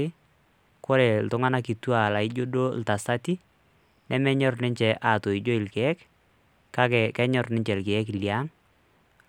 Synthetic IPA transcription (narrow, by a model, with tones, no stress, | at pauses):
ɪ˦ | kɔ˦ɾɛ˨l̩tʊ˦ŋa˦na˦ki˨tu˦a˨la˨i˦d͡ʒo˦do˦l̩˨ta˨sa˦ti˦ | nʔɛ˦mɛ˦ɲɔ˦rnɪ˦ɲt͡ʃɛ˨ʔa˨to˨i˨d͡ʒo˦ɪ˨lkɛ˨ɛ˦k | ka˦kɛ˨kɛ˦ɲɔ˨rnɪ˦ɲt͡ʃɛ˨lkɛ˨ɛ˦klja˦ŋ